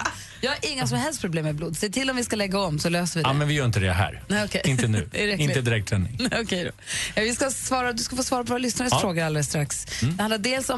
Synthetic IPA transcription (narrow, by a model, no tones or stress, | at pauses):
jɑːhaɾʔɪŋːas̬ɔmhɛlst̪pʰɾʊbleːmːɛbluːd̪sɛjt̪ʰɪlːɔmvɪskalɛɡːaɔmːsɔløːsəvɪd̪mɛnvɪjœːɾɪnt̪əd̪ɛ̰ɦæ̰ːɾnɛɔkʰɛɪnənʉ̰ːɛɾɛɪnt̪əd̪ɪɾɛk̚t̪ʰːɾɛnːɪ̰ŋnɛɔkʰɛjd̪o̰ | ɛvɪskasvɑːɾad̪ɵskafoːsvɑːɾapʰɔvɔɾalʏsnaɾəfɾoːɡaɾald̪lɛst̪ɾaksd̪ɛhand̪aɖeːlsɔ